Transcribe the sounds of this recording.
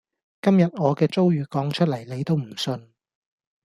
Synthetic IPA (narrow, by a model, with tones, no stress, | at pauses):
kɐ˥mjɐ˨t̚ŋɔː˨˧kɛː˧t͡so˥wjyː˨˥kɔː˨˥ŋt͡ʃʰɵ˥t̚lɐ˨˩jle˨˧jt̪o˥wm̩˨˩sɵ˧n